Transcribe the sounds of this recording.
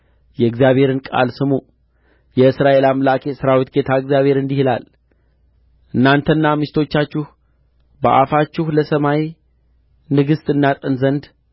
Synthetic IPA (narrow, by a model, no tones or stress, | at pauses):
jɛɨɡzijaβe̞ɾɨnkʼa̰lsɨmu | jɛɨsɾaʔe̞lamlakʰesɨɾawit̪ɡe̞t̪ʰaɨɡzjaβhe̞ɾɨnd̪ihla̰l | ʔɨnːant̪ʰənːamɨʃt̪ʰo̞t͡ʃːat͡ʃːɪh | bə̰ʔa̰fat͡ʃːɪhləsəmaj | nɨɡɨst̪ʼɨnːat̪ʼənzənd̪